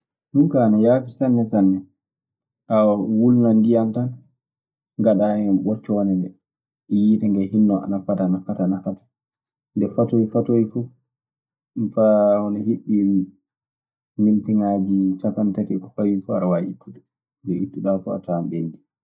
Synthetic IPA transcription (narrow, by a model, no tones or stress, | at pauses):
nukanajafisanːɛsanːɛ | ʔawawulnandijantan | ŋɡaɗaɛmɓɔt͡ʃːɔnɛndɛ | jiɗɛŋɡɛhinːɔa̰nafatanafatanafatḁ | ndɛfatojfatojfu | faɔnɔhiɓi | nimtiŋad͡ʒit͡ʃakantatikɔkajifuaɾawaʔitːuɗɛ | dɛʔitːuɗafua̰tamɓendi